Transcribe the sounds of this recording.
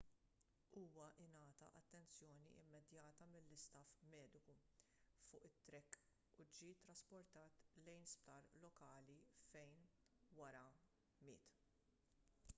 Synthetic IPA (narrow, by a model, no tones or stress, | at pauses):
uːwɐʔɪnɐːt̪ɐ̰ʔɐt̪ːɛnt͡sjɔːnḭʔɪ̰mːɛd̪jɐːt̪ɐmɪlːɪst̪ɐfmɛːd̪ɪku | fʊːʔɪt̪ːɾɛkː | ud͡ʒiːt̪ːɾɐspɔɾt̪ɐːt̪lɛjnspt̪ɐːɾlɔkɐːlifɛjn | wɐɾɐ | mɪ̰ːt̪